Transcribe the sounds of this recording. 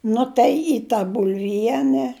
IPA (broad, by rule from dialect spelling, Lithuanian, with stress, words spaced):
ˈnʊ tɐɪ iː tɐ bʊlʲˈʋʲiɛnʲɛ